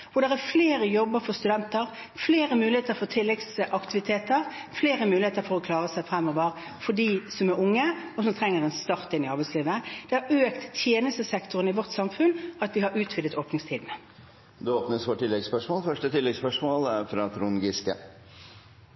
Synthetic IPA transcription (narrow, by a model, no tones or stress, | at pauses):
ʋʊɾd̪ɛʁæfleːɾəjɔbəʁfɔʁst̪ʉd̪ɛnt̪əʁ | fleːʁəmʉːlɪeːt̪əɾfɔt̪ʰɪlːɛɡsʔɑkt̪ɪʋɪt̪ʰeːt̪əʁfleːʁəmʉːlɪheːt̪əɾfɔɾɔkʰlɑːʁəsæɪfʁɛmːɔːʋəʁ | fɔɖiːsɔmæɾʊŋːəɔsɔmt̪ʰʁɛŋːəʁɛnst̪ɑʁt̪ɪnːɪɑʁbæɪtsliːʋəd̪̥ɛhɑɾøːkt̪ːʰjeːnəst̪əsɛkt̪ʊʁənɪʋɔʁt̪sɑmfʉnɑt̪ʋɪhɑɾʉːt̪ʰʋɪd̪ət̪oːpnɪŋst̪ʰiːd̪n̩ə | d̪ʉoːpnəsʋoːʈʰɪlːɛɡspœʂmɔːlfœʂʈət̪ʰɪlːɛɡspœʂmoːlfɾɑːt̪ʰɾʊnɡɪskə̰